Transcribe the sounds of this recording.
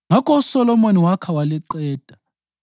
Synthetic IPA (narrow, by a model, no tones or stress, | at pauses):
ŋakʰʼɔusɔlɔmoniwakʰawaliǃɛːtʼa